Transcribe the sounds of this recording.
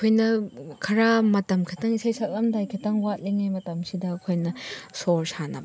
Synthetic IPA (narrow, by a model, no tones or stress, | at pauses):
kʰojnɐkʰɐɾamɐtɐmkʰɐtaŋisajsak̚lɐmdajkʰitaŋwat̚leŋajmɐtɐmsidɐːkʰojnɐsoɾsanɐb